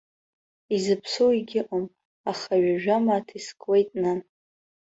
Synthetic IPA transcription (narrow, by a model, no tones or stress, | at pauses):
izɨpʰsowiɡʲɪʔʼom | aχaɥaʒᶣamaːtʰiskʼwejtʼna